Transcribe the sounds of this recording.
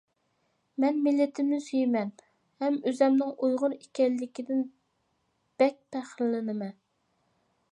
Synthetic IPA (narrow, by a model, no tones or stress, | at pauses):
mɛnmɪlːɪt̪ʰɪmnɪsøjimɛn | hɛmøzɛmnɪŋʔujʁʊɾekʲɛlːɪkʲid̪ɪn | b̥ɛk̚ʲpʰæχɾlɪnɪmɛ